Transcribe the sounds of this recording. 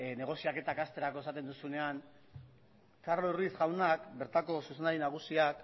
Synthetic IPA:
ne̞ɣ̞osiake̞t̪akast̪e̞ɾako̞esat̪e̞nd̪usune̞an | karlourβisɣawnakbe̞ɾt̪ako̞suse̞ndaɾinaɣ̞usiak

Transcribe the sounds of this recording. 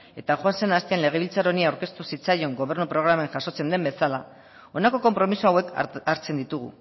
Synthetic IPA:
e̞t̪axwanse̞nast̪ianle̞ɣ̞e̞βilt͡saɾo̞niawɾke̞st̪usit͡sajo̞ŋɡo̞β̞e̞ɾnupɾo̞ɣ̞ɾameŋxaso̞t͡se̞nd̪e̞mbe̞sala | o̞nako̞ko̞mpɾo̞misuawe̞kaɾt͡se̞nd̪it̪uɣṵ

